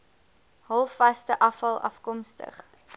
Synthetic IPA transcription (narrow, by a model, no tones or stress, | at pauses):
ɦɔlˠfɐstəʔɐfɐlˠɐ̰fkɔmstə̰χ